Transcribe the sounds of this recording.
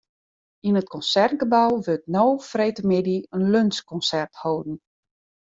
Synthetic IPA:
inət̚kɔnsɛrtɡəbawʋøtnowfreːtəmɪdiənlønskɔnsɛrthoːdn̩

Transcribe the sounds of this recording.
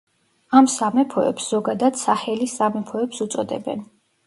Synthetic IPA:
amsamɛpʰɔɛ̰psz̥ɔɡad̪ad̪̥saχɛlisamɛpʰɔɛpsut̪sʼɔd̪ɛ̰bɛ̰n

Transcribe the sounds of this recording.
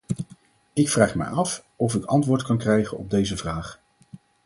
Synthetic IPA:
ɪkfraːχmɛ̰jɑf | ɔvɪkɑntʋʊːɹtkɑnkrɛjχənɔ̰b̚dejzəvraːχ

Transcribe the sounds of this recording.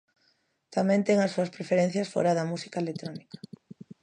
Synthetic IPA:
t̪amɛ̃nt̪ɛŋɐsuɐspɾefeɾẽn̟θjɐsfo̰ɾaðɐmusi̥kaelet̪ɾɔnikḁ

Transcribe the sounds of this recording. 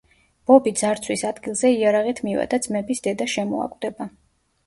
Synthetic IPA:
b̥ɔbid̪zaɾt̪sʰwisad̪ɡilˠzɛiaɾaʁit̪ʰmivɛ̰d̪ad̪zmɛbisd̪ɛd̪aʃɛmɔa̰kʼwd̪̥ɛba

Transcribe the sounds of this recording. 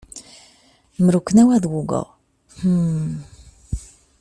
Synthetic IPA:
mɾukʷːnæwæðwuɡə̰ʁ | hə

